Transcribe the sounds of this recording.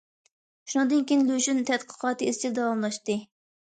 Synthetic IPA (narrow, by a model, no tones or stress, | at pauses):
ʃunɨŋd̪ɨnkʲijnløʃynt̪ʰɛt̪qʰə̥qʰɑːt̪ɨizt͡ʃʰild̪ɑwɑmlˠɑʃt̪ɨ